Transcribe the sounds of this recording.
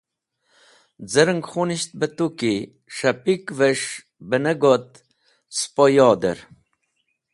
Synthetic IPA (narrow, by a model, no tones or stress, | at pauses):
d͡zəɾəŋɡχuniɕt̪̚bət̪uki | ʂapikveʂ | bənəɡot̪̚ | spojɔːd̪ə̰ɾ